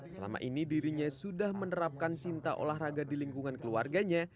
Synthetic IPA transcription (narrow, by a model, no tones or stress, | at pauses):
səla̰ma̰ʔinidiɾiɲasudahmənəɾap̚kant͡ʃint̪aʔo̰lahraɡadiliŋkuŋankəluarɡaɲa